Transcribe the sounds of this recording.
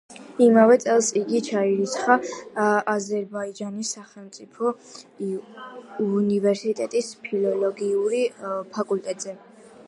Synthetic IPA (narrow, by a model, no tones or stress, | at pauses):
imavɛt̪sʼɛlˠsiɡit͡ʃʰaiɾit̪sʰχa | azɛɾbaid͡ʒanisːaχɛlˠmt̪sʼipʰɔ | univɛɾsit̪ʼɛt̪ʼispʰilɔlˠɔɡiuɾipʰakʼult̪ʼɛt̪ʼz̥ɛ